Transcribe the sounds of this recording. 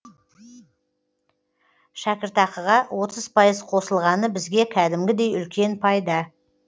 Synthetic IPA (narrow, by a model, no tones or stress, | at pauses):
ʃækʲɪɾt̪ɑqəʁɑwʔo̞t̪əz̥pʰɑjəzqʰo̞səlˠʁɑnəbɪzɡʲe̞kʲʰæd̪ɪmɡʲɪd̪e̞jʏlkʲʰe̞npʰɑjd̪ɑ